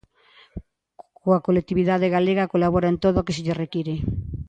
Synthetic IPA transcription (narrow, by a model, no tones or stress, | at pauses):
koakolek̚t̪iβiðaðeɣaleɣakolaβoɾaent̪oðoakeseʎerekiɾe